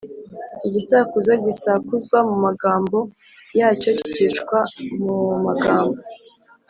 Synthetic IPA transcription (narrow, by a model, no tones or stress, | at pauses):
iɟisakuzoɟisakuzɡwamumaɡaːmbo̞ | jaːco̞ci̥cit͡ʃkwamumaɡaːmbo